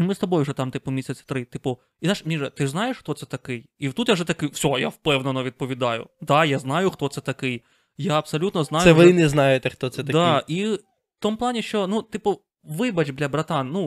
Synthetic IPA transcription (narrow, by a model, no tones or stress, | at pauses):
mɪst̪ɐbɔjʊwʐɛt̪ɑmt̪ɪpʊmʲisʲɐsʲt̪ɾɪt̪ɪpʊ | izaʂmʲiʐɛt̪ɪznɑjeʂxt̪ɔt̪sɛt̪ɐkɪjiwt̪ut̪jaʐɛt̪ɐkɪfsʲɔjawpɛwnɐnɔʋʲid̪̚pɔʋʲid̪ɑjʊ̰d̪ajaznɑjʊxt̪ɔt̪sɛt̪ɐkɪj | jaɐbsɐlʲut̪nɔznɑjʊɛʋnɛznɑjet̪ɛxt̪ɔt̪sɛt̪ɐd̪aʔi | ft̪ɔmplˠɑnʲiʃt͡ʃɔnut̪ɪpʊ | ʋɪbɐt͡ʃʲbd̪lʲɐbɾɐt̪ɑnnu